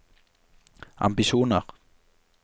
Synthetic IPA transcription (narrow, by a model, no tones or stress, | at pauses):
a̰mpisunaχ